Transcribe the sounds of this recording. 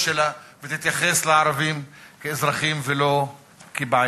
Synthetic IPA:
ʃelavet̪it̪jaχesleaɾavimkeezʁaχimvelo̞ | kebaa

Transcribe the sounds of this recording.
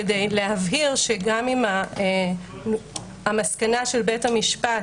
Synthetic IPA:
edejleavɦiʁʃeɡamima | amaskanaʃe̞lbethamiʃpa

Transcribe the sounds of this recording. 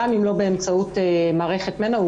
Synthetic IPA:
amimlo̞be̞ːmt͡sautemaːʁe̞χe̞tmena

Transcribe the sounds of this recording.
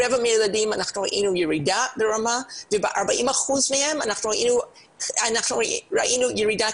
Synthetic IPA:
ɛvameladimanaχnuɾaʔinujeɹidabeɹamavebeʔaʁbaʔimaχuzmehemanaχnuʁaʔinu | anaχnuɹa̰ʔinujeɹida

